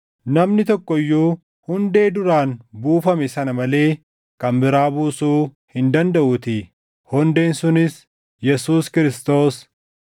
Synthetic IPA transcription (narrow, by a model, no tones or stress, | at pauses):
nɐmnɪt̪ɔkːɔjːuː | hʊnd̪e̞ːd̪ʊɾaːnbuːfɐmɛsɐnɐmɐle̞ː | kɐmbɪɾaːbuːsuː | hɪnd̪ɐnd̪ɐʔuːt̪ɪ | hɔnd̪e̞ːnsʊnɪs | jɛsuːskɪɾɪst̪o̞ːs